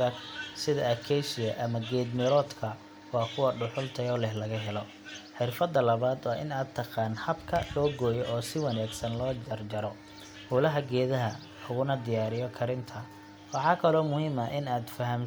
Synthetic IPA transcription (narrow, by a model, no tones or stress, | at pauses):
ɐsɪðɐɐkʰɛjʃɪjɐʔɐmɐɡɛːd̪mɪɾɔːd̪kʰɐ | wɑːkʰʊwɐɖʊħʊlt̪ʰɐjɔlɛhlɐɣɐɦɛlɔ | ħɪrfɐd̪ːɐlɐβaːd̪wɑːʔɪnaːd̪̚t̪ʰːɐqɑːnhɐbkʰɐlɔːɡɔːjɔʔɔːsɪwɑnaːɡsɐnlɔːd͡ʒɐrd͡ʒɐɾɔ | huːlɐɦɐɡɛːðɐɦɐ | ʊɣʊnɐd̪ɪjaːɾɪjɔkʰɐɾɪnt̪ʰɐ | wɑħɑːkʰɐlɔːmʊhiːmɐʔɪnaːd̪fɐɦɐm